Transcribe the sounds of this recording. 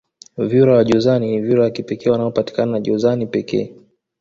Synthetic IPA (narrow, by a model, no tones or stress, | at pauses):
vjuɾawaʄɔzanivjuɾawakipɛkɛːwanaɔpati̥kananaʄɔzanipɛkɛ̰ː